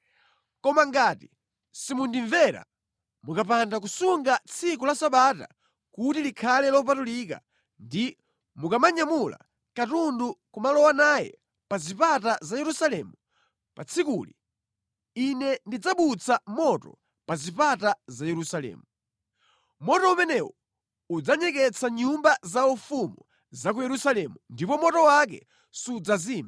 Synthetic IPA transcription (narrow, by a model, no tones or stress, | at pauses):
kɔmaŋɡaːti | simundiɱvɛɾa̰ | mukapandak̬usuŋɡat͡sʰikulasaɓata̰ | kutilikʰalɛlɔp̬atulika̰ | ndi | mukamaɲamula̰ | katundukumalɔwanaːjɛ̰ | pazipatazajɛɾusalɛmu | pat͡sʰikuli | inɛndid͡zaɓut͡sʰamɔtɔ̰ | pazipatazajɛɾusalɛ̰ːmu | mɔtɔumɛnɛwɔ | ud͡zaɲɛk̬ɛt͡sʰaɲumbazaufumṵ | zak̬ujɛɾusalɛmundipɔmɔtɔwak̬ɛ̰ | sud͡zaziːma